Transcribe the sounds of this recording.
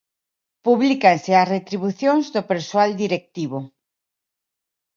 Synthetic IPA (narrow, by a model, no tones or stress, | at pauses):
puβlikansɪasret̪ɾiβuθjoŋzðopeɾsoald̪iɾek̚t̪iβo